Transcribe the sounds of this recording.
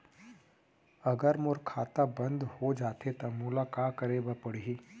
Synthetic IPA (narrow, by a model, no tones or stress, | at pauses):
əɡəɾmoɾkʰat̪abənd̪ʱhod͡zat̪ʰet̪əmulakakəɾebəpəɽɦiː